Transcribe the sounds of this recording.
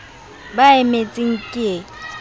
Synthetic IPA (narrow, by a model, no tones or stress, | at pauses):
baemet͡sʼɪŋ̩kʼe